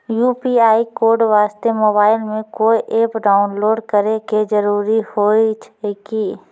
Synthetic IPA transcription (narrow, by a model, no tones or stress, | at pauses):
juːpiaːikoːɾɖʋaːst̪emoːbaːɪlmẽkoːiʔeːpɖaːʊnloːɖkəɾeked͡ʒəɾuːɾihoːit͡ʃʰkiː